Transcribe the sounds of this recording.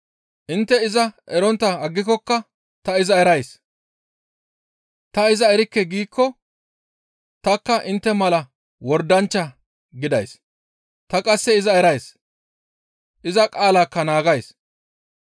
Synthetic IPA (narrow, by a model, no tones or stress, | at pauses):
ʔɪnt̪ːɛɪzɐʔɛɾɔnt̪ːɐɐɡːɪkːɔkːɐ | t̪ɐɪzɐɛɾɐjs | t̪ɐɪzɐɛɾɪkːɛɡiːkːɔ | t̪ɐkːɐʔɪnt̪ːɛmɐlɐ | wɔɾd̪ɐnt͡ʃːɐ | ɡɪd̪ɐjs | t̪ɐkʼɐsːɛɪzɐɛɾɐjs | ʔɪzɐkʼaːlaːkːɐnaːɡɐjs